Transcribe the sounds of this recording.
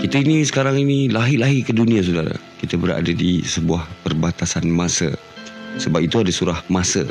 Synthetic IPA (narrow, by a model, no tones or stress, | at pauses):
kit̪ainĩsə̥kaɾaŋinilaɦilaɦikədunĩas̬udaɾa̰ | kit̪abəɾa̰ʔa̰dadisəbuahpərbat̪asanmasə̰ | səbap̚it̪uadasuɾahmasə̰